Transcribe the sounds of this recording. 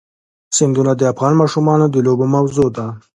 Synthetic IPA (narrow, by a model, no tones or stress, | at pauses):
sɪnd̪unad̪əafɣɑnmɑʃumɑnod̪əlobomawzod̪a